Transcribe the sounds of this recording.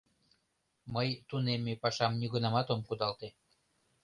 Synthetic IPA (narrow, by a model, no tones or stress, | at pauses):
məjt̪unemepɑʃɑmnyɣənɑmɑt̪omkud̪ɑlt̪e